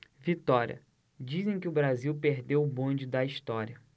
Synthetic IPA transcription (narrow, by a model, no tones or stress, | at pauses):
vit̪ɔɾʲiɐ̰ | d͡ʒizẽj̃kɪʊbɾaziwpeɾd̪ewbõd͡ʒɪd̪ɐiʃt̪ɔɾiɐ